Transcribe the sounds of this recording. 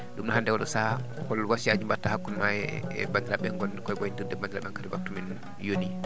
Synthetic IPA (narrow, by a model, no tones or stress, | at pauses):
ɗumnɔhandɛwɔɗɔsa | kɔlwasiad͡ʒumbatːahakːunmaɛɛ̰bandiɾaɓɛŋɡɔnkɔɡɔjindidɛbandiɾaɓɛnkadɛbak̚tːumin | joni